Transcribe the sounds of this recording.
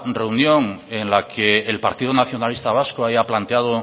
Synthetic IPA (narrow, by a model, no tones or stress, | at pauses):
re̞unjo̞ŋe̞nlakʰeːlpaɾt̪iðonaθjo̞nalist̪aβ̞askoaβjaplant̪eað̞o